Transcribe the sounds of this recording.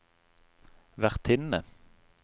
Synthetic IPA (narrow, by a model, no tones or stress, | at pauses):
ʋæʁt̪ʰɪnə